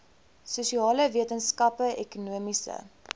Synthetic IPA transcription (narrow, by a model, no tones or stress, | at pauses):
suʃiɑːləviətənskɐpəʔɛkunuəmisə̰